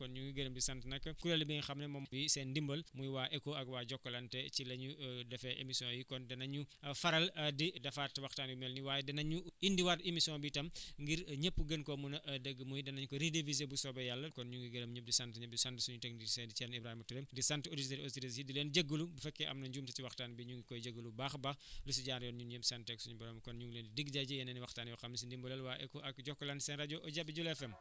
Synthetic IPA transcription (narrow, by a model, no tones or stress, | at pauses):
kɔnɲuŋɡiɡɐnɐmdisantnɐkːɐkuɾɐlibinxɐmnɛmɐmwisɛndimbɐlmujwaːʔɛkoɐɡwaːɟɔkːɐlɐntɛt͡ʃilɐɲudɐfɛʔḛmisijɔ̃jikɔndɐnɐɲufɐɾɐlɐdidɐfaːtːiwɐxtaːnbimɛlniwaːjɛdɐnɐɲuindiwademisiɔ̃nbitɐmŋɡiɾɲəpːuɡənkɔmunɐʔɐdəɡːmujdɐnɐɲkɔɾidevizebusɔbɐjalːɐkɔnɲuŋɡiɡɐɾɐmɲəp̚disantɲɐp̚disantəsuɲutɛkdisɛndit͡ʃɛnibɾaːhimɐtuɾemdisantoditeɾiɔstiɾisjidileːnɟɐɡːəlubufɛkːɛʔɐ̰mnɐɲɟuːmtɐtiwɐxtaːnbiɲuŋɡikɔjɟəɡːəlubaːxbaxlus̬uɟaːnjɔnɲunɲəbsantɛksuɲubɐɾɔmkɔnɲuŋɡleːndidiɡɟaɟɐjɐnɛniwɐxtaːniwɐxɐmnis̬indimbɔlɛlwaːʔɛkɔʔɐkɟɔkːɔlantisɛnraɟoʔɔɟabːiɟulɛfɛm